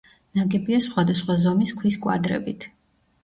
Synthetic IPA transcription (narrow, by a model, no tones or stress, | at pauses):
naɡɛbiasχwad̪asχwazɔmiskʰwiskʼwa̰d̪ɾɛ̰bit̪ʰ